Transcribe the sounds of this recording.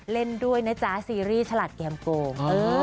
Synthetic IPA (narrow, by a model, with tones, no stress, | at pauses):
le˥˩ndu˥˩əjna˦˥t͡ɕaː˨˦˥siː˧ɾiː˥˩t͡ɕʰa˧la˨˩t̪̚kɛː˧mkoː˧ŋʔɤː˧